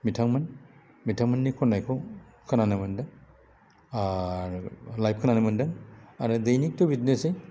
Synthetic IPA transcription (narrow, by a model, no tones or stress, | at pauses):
mitʰaŋmɐn | mitʰaŋmɐnːikʰɔnːajkʰo | kʰɐnanɐmɐndɐŋ | lajp̚kʰɐnanɐmɐndɐŋaɾɯdɐjnik̚tobʱitnesej